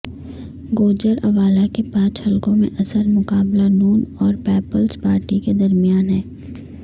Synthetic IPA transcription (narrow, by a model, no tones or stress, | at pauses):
ɡoːd͡ʒəɾɐʋaːlakepãːt͡ʃhɐlkõmḛ̃ʔɐsəɾmʊkaːblanuːnɔːɾpɛːpəlspaːɾʈiked̪ɐɾmijaːnɦɛː